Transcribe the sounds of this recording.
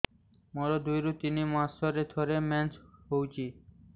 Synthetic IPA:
mɔɾod̪ujɾut̪inimãstʰɔɾed̪ʰʱoɾemɛnsɦowt͡ɕʰi

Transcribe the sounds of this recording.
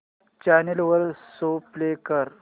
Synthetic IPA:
t͡ɕanelʋəɾsoplekəɾ

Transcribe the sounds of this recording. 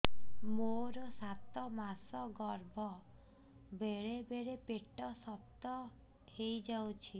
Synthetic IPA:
moɾɔsat̪ɔmasɔɡɔɾbʱɔ | beɾebeɾepeʈɔsɔp̚t̪ɔ | hejd͡ʒawt͡ʃʰi

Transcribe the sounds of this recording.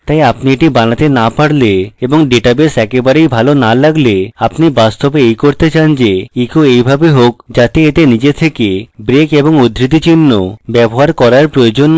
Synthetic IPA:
t̪ajapnieʈibanat̪enapaɽleeboŋɖeʈabesɛkebaɾejbʱalonalaɡleapnibast̪obeejkoɾt̪et͡ɕand͡ʑeikoejbʱabeɦokd͡ʑat̪eet̪enid͡ʑet̪ʰekebɾekeboŋod̪ʱɾit̪̬it͡ɕinːo̰bɛboɦaɾkɔɾaɾpɾojod͡ʑon

